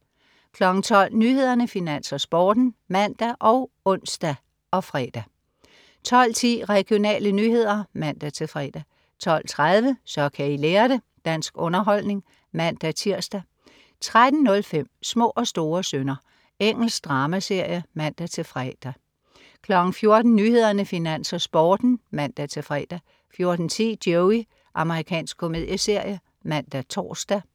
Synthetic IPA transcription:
kʰlɒ̽ɡ̥ŋ̩t͡sʰɒ̽l̰nyhe̝ð̞ˠɐnəfinæn̰sɐsb̥ɒːd̥n̩mæn̰d̥æʔɒ̽ʊ | ɔ̽n̰sd̥æ | ɒ̽fʁɛd̥æ | t͡sʰɒ̽l̰t͡sʰḭːʁɛɡ̥ijo̝nɛ̰ːlənyːhe̝ð̞̰ˠɐmæn̰d̥æt͡sʰe̝fʁɛd̥æ | t͡sʰɒ̽l̰t͡sʰʁað̞ˠʋəsɒ̽kʰæileːɐɾ̥e | d̥æn̰sɡ̥ɔ̽nɐɦɒ̽l̰ne̝ŋ | mæn̰d̥æt͡sʰiɐ̰sd̥æ | t͡sʰʁad̥n̩nɔ̽lfem̰smɔ̰̽ːʔɒ̽sd̥o̝ːɐsønɐ | eŋ̰l̩sd̥ʁɑ̈ːmæse̝ɐ̰jəmæn̰d̥æt͡sʰe̝fʁɛd̥æ | kʰlɒ̽ɡ̥n̩fjo̝ɐd̥n̩nyːhe̝ð̞̰ˠɐnəfinæn̰sɒsb̥ɒːd̥n̩mæn̰d̥æt͡sʰe̝fʁɛːd̥æ | fjo̝ɐd̥n̩t͡sʰḭːd̥joʊi | ʔɑ̈məʁikʰɛ̰ːnsɡ̥̚kʰo̝me̝ð̰ˠjəse̝ɐ̰jə | mæn̰d̥æt͡sʰɒ̰ːsd̥æ

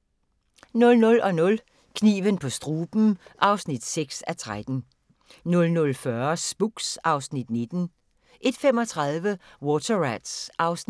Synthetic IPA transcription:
nɔ̽lnɔ̽lɒ̽nɔ̽l | kʰnḭːʋənpʰɒ̽sd̥ʁuːb̥m̩ʔɑ̈ʊsnid̥seɡ̥sæt͡sʰʁad̥n̩ | nɔ̽lnɔ̽lfɶɐsb̥uɡ̥sɑ̈ʊsnid̥ne̝d̥n̩ | ʔe̝d̥femɒ̽t͡sʰʁɑðˠʋəwɔːt͡sʰɐʁæd̥sʔɑ̈ʊsn

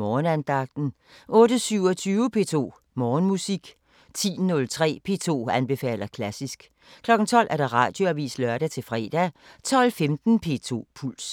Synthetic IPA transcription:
ɒːnænd̥ɑ̈ɡ̥̚d̥n̩ | ʔɔ̽ːɾ̥əsyʊɒt͡sʰyːʊəpʰe̝̰ːt͡sʰo̝̰ː | mɒːnmusiɡ̥ | t͡sʰḭːnɔ̽lt͡sʰʁɛ̰ːpʰe̝̰ːt͡sʰo̝̰ːænb̥e̝fɛ̰ːlɐkʰlæsisɡ̥ | kʰlɒ̽ɡ̥n̩t͡sʰɒ̽l̰ʔæɐɾ̥ɑ̈ʁɑ̰̈ːd̥jo̝æʋḭːslɶɐɾæt͡sʰe̝lfʁɛːd̥æt͡sʰɒ̽l̰femd̥n̩pʰe̝̰ːt͡sʰo̝̰ːpʰul̰s

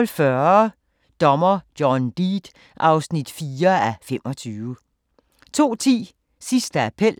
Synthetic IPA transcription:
lfɶɐ | d̥ɒ̽mɐ̥jɒnd̥iːd̥ | ʔɑ̈ʊsnid̥fiːɐæfem̰ʔɒ̽t͡sʰyːʋə | t͡sʰo̝̰ːt͡sʰḭː | sisd̥əæpʰel̰

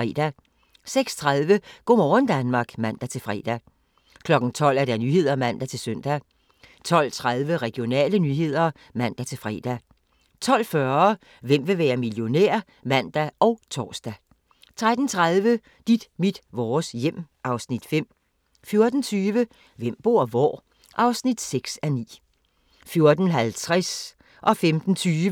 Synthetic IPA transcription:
ɛ̰ːd̥æ | seɡ̥st͡sʰʁaðˠʋəɡ̥ɒ̰ːmɒːnd̥ænmɑ̈ːɡ̥mæn̰d̥æt͡sʰe̝lfʁɛ̰ːd̥æ | kʰlɒ̽ɡ̥n̩t͡sʰɒ̽l̰æɐɾ̥ænyːhe̝ð̞̰ˠɐmæn̰d̥æt͡sʰe̝lsøn̰d̥æ | t͡sʰɒ̽l̰t͡sʰʁaðˠʋəʁɛɡ̥jo̝nɛ̰ːlənyɦe̝ð̞̰ˠɐ | mæn̰d̥æt͡sʰe̝lfʁɛ̰ːd̥æ | t͡sʰɒ̽l̰fɶɐ | ʋem̰ʋe̝ʋæːɐmiljo̝nḛɐ̰ | mæn̰d̥æʔɒ̽ʊt͡sʰɒ̰ːsd̥æ | t͡sʰʁad̥n̩t͡sʰʁaðˠʋə | d̥id̥mid̥ʋɒːsjem̰ʔɑ̈ʊsnid̥fem̰ | fjo̝ɐd̥n̩t͡sʰyːʋə | ʋem̰b̥o̝ɐ̰ʋɒ̰ː | ʔɑ̈ʊsnid̥seɡ̥sænḭː | fjo̝ɐd̥n̩ɦælt͡sʰʁɛs | ʔɒ̽femd̥n̩t͡sʰyːʋə

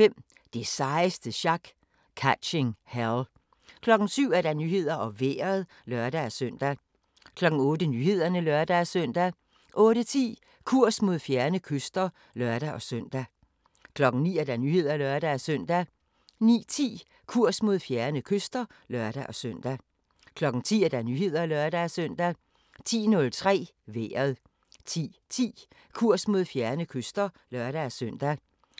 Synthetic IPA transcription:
fem̰ | d̥e̝sɑ̈ɪsd̥əɕɑ̈ɡ̥ | kʰæ̥ɕeŋhæl | kʰlɒ̽ɡ̥n̩syʊ̰æɐd̥ænyːhe̝ð̞̰ˠɐʔɒ̽ʋḛːɐð̩ˠ | lœɐd̥ææɐsøn̰d̥æ | kʰlɒ̽ɡ̥n̩ɔ̽ːdənyhe̝ð̞̰ˠɐnəlɶɐd̥ææsøn̰d̥æ | ʔɔ̽ːɾət͡sʰḭː | kʰuɐ̰smo̝ð̞̰ˠfjæɐnəkʰøsd̥ɐ | lœɐɾ̥æʔɒ̽sœn̰d̥æ | kʰlɒ̽ɡ̥ŋ̩nḭːæɐd̥ænyːhe̝ð̰ˠɐælɶɐɾ̥æːsœn̰d̥æ | nḭːt͡sʰḭː | kʰuɐ̰smo̝ð̞̰ˠfjæɐnəkʰøsd̥ɐ | lɶɐd̥æʔɒ̽søn̰d̥æ | kʰlɒ̽ɡ̥ŋ̩t͡sʰḭːæɐd̥ænyːɦe̝ð̞̰ˠɐælɶɐd̥ææsœn̰d̥æ | t͡sʰḭːnɔ̽lt͡sʰʁɛ̰ː | ʋḛːɐðˠ | t͡sʰḭːt͡sʰḭː | kʰuɐ̰smo̝ð̞̰ˠfjæɐnəkʰøsd̥ɐ | lɶɐɾ̥ææsøn̰d̥æ

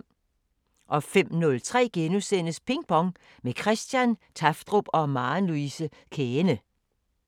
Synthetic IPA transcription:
ʔɒ̽fem̰nɔ̽lt͡sʰʁɛ̰ːɡ̥enusen̰əspʰe̝ŋb̥ɒ̽ŋ | mekʰʁɛsd̥jænt͡sʰɑfd̥ʁo̝b̥ɒ̽mɑ̈ːnluisə | kʰeːnə

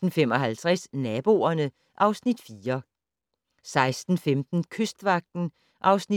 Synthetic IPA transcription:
n̩fem̰ɒ̽ɦælt͡sʰʁɛsnɛːb̥o̝ɐnə | ʔɑ̈ʊsnid̥fiːɐ | sɑ̈ɪsd̥n̩femd̥n̩kʰøsd̥ʋɑ̈ɡ̥̚d̥n̩ | ʔɑ̈ʊsni

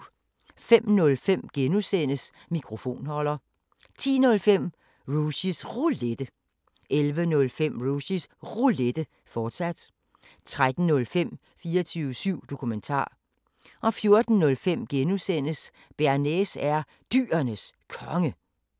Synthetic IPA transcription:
fem̰nɔ̽lfem̰ɡ̥enusenəs | mikʰʁo̝fo̝̰ːnhɒ̽l̰ɐ | t͡sʰḭːnɔ̽lfem̰ | ʁuɕisʁuled̥ə | ʔelʋənɔ̽lfem̰ʁuɕisʁule̝d̥ə | fɒːd̥sæd̥ | t͡sʰʁad̥n̩nːɔ̽lfem̰ | fiːɐt͡sʰyːʊəsyʊ̰d̥o̝kʰument͡sʰɑ̰̈ː | ʔɒ̽fjo̝ɐd̥n̩nːɔ̽lfem̰ɡ̥enusen̰əs | b̥æɐnesæɐ | d̥y̰ːɐnəskʰɒ̽ŋə

